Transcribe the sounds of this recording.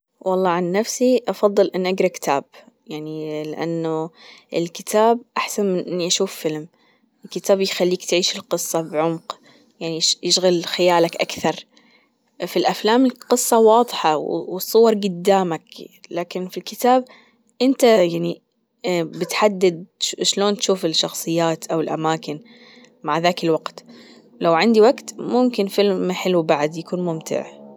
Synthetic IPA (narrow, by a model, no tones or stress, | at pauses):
wʔɑlˤːɑːʕanːafsiʔɑfɑðˤːɨlʔɪnːʔaɡɾˤɑkɪ̥t̪ʰaːb | jaʕnilɪʔa̰nːʊʔɪlkɪt̪ʰaːbʔaħsanmɪnʔɪnːiʔaʃuːfːɪlm | ʔɪlkɪt̪aːbjxalːiːkt̪ʕiːʃɪlqɨsˤːɑbʕʊmq | jaʕnijɪʃɣalxɪjaːlakʔakθɑɾˤ | filʔaflaːmɪlqɨsˤːɑwɑːðˤħɑwwsˤːʊwɑɾˤɡʊd̪ːaːmaklaːkɪnfilkɪt̪aːb̚ | ʔɪnt̪ajaʕni | bɪt̪ħad̪ːad̪̚ʃloːnt̪ʃuːfɪlʃɑxsˤɨjːaːt̪ʔawɪlʔamaːkɪn | maʕðaːkɪlwaɡt̪ | lawʕɪnd̪iwaɡt̪mʊmkɪnfɪlmmħɪlubaʕd̪jakuːnmʊmt̪ʰɪ̰ʕ